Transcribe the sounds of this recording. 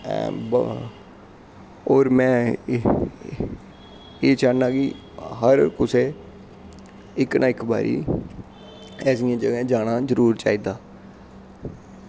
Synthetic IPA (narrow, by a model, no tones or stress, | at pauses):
b | oːɾmɛ̃ː | eːt͡ʃaːnaːki | ɦəɾkʊseː | ɪknʔãːɪkba̰ːɾḭː | ɛːsiːãːd͡ʒəɡɛ̃ːd͡ʒaːnaːzəɾuːɾt͡ʃaːiːd̪aː